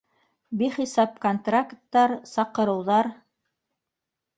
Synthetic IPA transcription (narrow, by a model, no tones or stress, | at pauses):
biχisɑp̚kont̪rakt̪ːɑɾsɑqɤ̆ɾɤ̆wðɑɾ